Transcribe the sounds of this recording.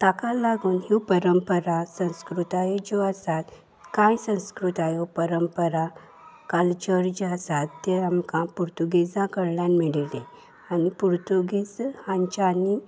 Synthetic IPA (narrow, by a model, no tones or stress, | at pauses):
t̪akalaɡuːnɦipəɾəmpəɾasə̃w̃skɾut̪ajed͡ʑɔasat̪ | kãjsə̃w̃skɾut̪ajɔpəɾəmpəɾa | kalt͡ɕəɾd͡ʑasat̪ːeamkãpuɾt̪uɡed͡zãkəɽljanmiɭilẽ | anipuɾt̪uɡed͡zhãɲt͡ɕani